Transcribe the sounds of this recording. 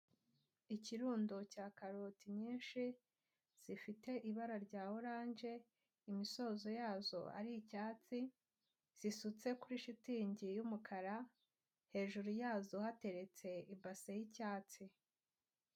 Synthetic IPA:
iciɾuːndocaːkaɾotiɲiːnʃi | z̥ifite̞ʔiβaɾaɾɟaːwoɾaːɲʒe̞ | imiso̞zo̞jaːzo̞̰a̰ɾiicaːt͡si | z̥isut͡se̞kuɾiʃitiːɲɟijumukʰaɾa | he̞ːʒuɾujaːzohate̞ɾe̞t͡se̞ibasejicaːt͡si

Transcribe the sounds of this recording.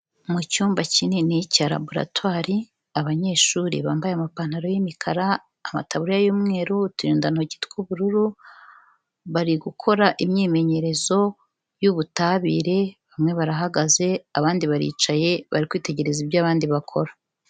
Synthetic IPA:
mucuːmbacininicaɾa̰boɾa̰twaːɾi | aβaɲe̞ːʃuːɾḭβaːmbajeamapan̥haɾo̞jimikʰaɾaː | ma̰taβuɾijajuːmŋe̞ːɾutuɾiːndanhoɟitkuβuɾuɾu | βaɾiɡukʰo̞ɾaʔimɲeːme̞ɲe̞ɾe̞zo̞ | juβutaβiːɾe̞βamŋe̞βaɾaɦaɡaze̞aβaːndiβaɾḭːt͡ʃaje̞βa̰ɾikwiːte̞ɟe̞ɾe̞zibɟaːβaːndiβakʰo̞ɾḁ

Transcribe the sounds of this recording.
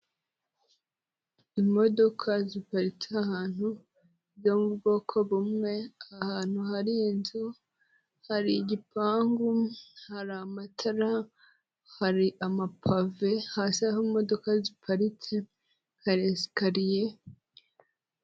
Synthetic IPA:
imo̞do̞kʰazipaɾit͡seahaːn̥hu | bzo̞mubɡo̞kʰoβumŋe̞ahaːn̥huhaɾiːnzu | haɾiɟipaːŋɡuhaɾamatʰaɾa | haɾiʔamapʰave̞haːsaɦoimo̞do̞kazipʰaɾit͡se | haɾesi̥kaɾije

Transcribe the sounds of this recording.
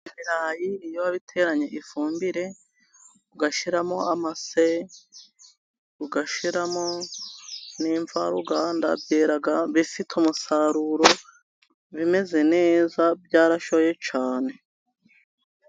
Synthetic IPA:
iɾajijowaβitʰe̞ɾaɲe̞ʔifuːmbiɾe̞ | uɡaʃiɾamo̞amase | uɡaʃiɾamo̞ | niːɱva̰ɾuɡaːnda̰bjeːɾaɡaβifitʰumusaɾuɾo̞ | βime̞ze̞ne̞ːzabɟaːɾaʃoje̞t͡ʃaːne̞

